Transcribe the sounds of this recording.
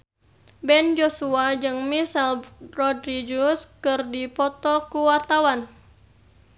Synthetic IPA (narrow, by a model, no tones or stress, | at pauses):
bɛnd͡ʒosuad͡ʒɨŋmisɛlrɔdɾid͡ʒuskɨrdipɔt̪ɔkuwart̪awan